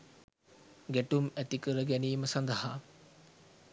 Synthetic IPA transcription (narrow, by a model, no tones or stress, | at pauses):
ɡeʈumet̪ikɯɾɐɡenimɐsɐnd̪ɐɦa